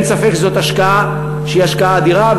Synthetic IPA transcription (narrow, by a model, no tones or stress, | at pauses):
nsafekzo̞t̪aʃkaa | ʃeiaʃkaaːd̪iʁav